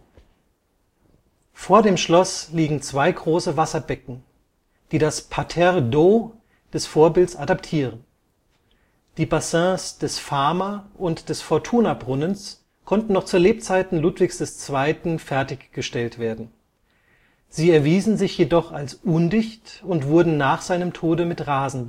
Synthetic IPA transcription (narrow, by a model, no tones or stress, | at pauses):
foːɐdeːmʃlɔsliːɡŋ̩t͡sv̥aɪɡʁoːsəvasɐbɛkŋ̩ | d̥iːdaspʰatʰɛʁdo | d̥ɛsfoːɐbɪltsadaptʰiːʁən | d̥iːbasɛ̃ːsd̥ɛsfaɐmaʔʊntd̥ɛsfɔɐtʰuːnabʁʊnəns | kʰɔntn̩nɔχt͡suːɐleːp̚t͡saɪtn̩luːtv̥ɪçsd̥ɛst͡sv̥aɪtn̩fɛɐtɪçɡ̥əʃtɛltv̥eːɐdn̩ | z̥iːɛɐviːzn̩zɪçjedɔχalsʔʊndɪçtʊntv̥ʊɐdn̩naːχz̥aɪnəmtʰoːdəmɪtʁaːzn̩b